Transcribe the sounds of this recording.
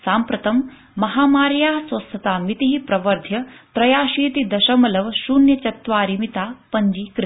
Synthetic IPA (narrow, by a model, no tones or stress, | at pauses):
saːmpɾɐt̪ɐmː | ɐɦaːmaːɾjaːɦɐsʋɐst̪ʰɐt̪aːmit̪iɦipɾɐʋɐɾd̪ʱjɐt̪ɾɐjaːʃiːt̪id̪ɐʃɐmɐlɐʋʃuːnjɐt͡ʃɐt̪ʋaːɾimit̪aːpɐɲd͡ʒikɾ